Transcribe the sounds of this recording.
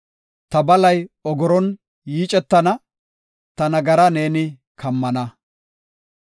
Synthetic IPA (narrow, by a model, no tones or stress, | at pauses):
t̪ɐbɐlɐjɔɡɔɾɔn | jiːt͡ʃʼɛt̪ːɐnɐ | t̪ɐnɐɡɐɾɐne̞ːnɪ | kʰɐmːɐnɐ